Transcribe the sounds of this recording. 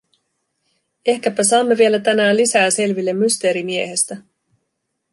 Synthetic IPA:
e̞hkæpæsɑːmːeʋie̞læt̪ænæːnlisæːse̞lʋilːemːyst̪e̞ːɾimie̞ɦe̞st̪æ

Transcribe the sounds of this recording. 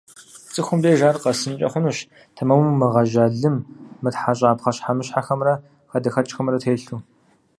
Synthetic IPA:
t͡sʼɨxʷʊmdeːʒaːrqɐsɨnt͡ʃʼɐ̰χʷʊnuːʃ | tʰɐmɐwumɨʁɐʒɐːɮɨmːɨtħaɕ̬ʼaːpχɐɕħamɨɕħaxɐmrɐ | xɐdɐxɐt͡ʃʼxɐmrɐtʰeːɬuː

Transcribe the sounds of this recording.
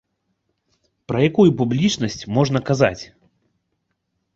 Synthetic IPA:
pɾɐjakujupublʲit͡ʂnɐsʲt͡sʲmɔʐnɐkaza̰t͡sʲ

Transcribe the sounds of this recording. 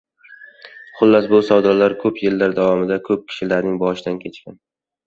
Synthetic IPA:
χʊlˠːasbʊsɒwd̪ɒɾlaɾkʰɵpjelːaɾd̪avɒmɪd̪akʰɵp̚kʲʰɪ̥ʃɪlaɾnɪŋbɒʃɪd̪ankʲʰe̞t͡ʃkʲan

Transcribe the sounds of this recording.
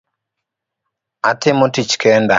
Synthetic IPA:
atɪmotit͡ʃkɛnda

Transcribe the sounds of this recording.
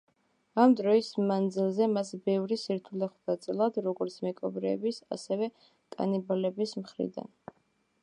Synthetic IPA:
amd̪ɾɔismand̪zilˠzɛmasbɛvɾisiɾt̪ʰulɛχd̪at̪sʼɛlˠad̪ɾɔɡɔɾt̪sʰmɛkʼɔbɾɛːbisa̰sɛvɛ | kʼa̰nibalɛbismχɾḭd̪a̰n

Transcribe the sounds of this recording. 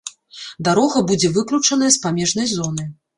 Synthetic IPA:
d̪aɾɔɣɐbud͡zʲɛvɨklʲut͡ʂɐn̪ɐjɐspamʲɛʐnɐjzɔn̪ɨj

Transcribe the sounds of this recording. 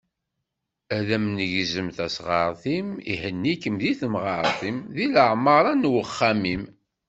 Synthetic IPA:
æðæmnəʝzəmθæsʁɑɾˤθimḭhənːikəmðiθəmʁɑɾˤθimðiləʕmɑɾˤɑnwəχːæmim

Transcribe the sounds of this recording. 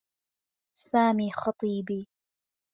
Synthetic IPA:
saːmiːxɑt̪ˤiːbiː

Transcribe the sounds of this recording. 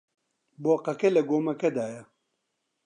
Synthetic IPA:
boːqɐkelɐɡoːmɐkɐd̪aːjɐ

